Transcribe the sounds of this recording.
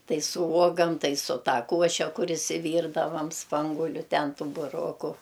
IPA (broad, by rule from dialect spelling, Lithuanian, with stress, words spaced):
ˈtɐɪ sʊ ˈuɔɡɐm ˈtɐɪ sʊ ˈtɐ ˈkuɔʃʲɛ ˈkʊr ɪʃʲsʲɪˈʋʲiːrdɐʋɐm ˈspɐŋɡʊlʲʊ ˈtʲɛn ˈtuː bʊˈroːkʊ